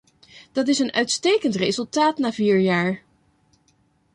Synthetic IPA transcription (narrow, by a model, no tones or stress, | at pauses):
d̥ɑt̬ɪsənœɥtstejkəntrezɵlˠtaːtnaːviːɹjaːɹ